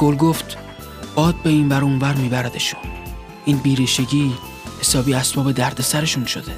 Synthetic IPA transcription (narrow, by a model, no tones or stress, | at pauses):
ɡ̥olɡoft̪ | b̥ɒːd̪̚be̞iːnvæɾuːnvæɾmiːbæɾæd̪eʃu̥n | ʔiːnbiːɾiːʃe̞ɟiː | he̞sɒːbiːæsb̥ɒːbe̞d̪æɾd̪e̞sæɾe̞ʃunʃo̞d̪e̞